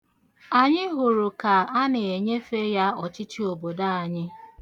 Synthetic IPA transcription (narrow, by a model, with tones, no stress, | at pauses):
a˨ɲɪ˦ɦʊ˨ɾʊ˨ka˨a˦nɪ˨e˨ɲe˦fe˦ja˦ɔ˨t͡ʃɪ˦t͡ʃi˦o˨bo˨da˦a˨ɲɪ˦